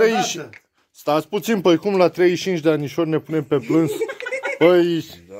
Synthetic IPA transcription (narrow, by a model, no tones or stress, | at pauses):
e | st̪at̪sʲput̪sinpəjkumlat̪ɾejit͡ʃint͡ʃd̪eanʲiʃorʲne̞punempe̞plɨnspəj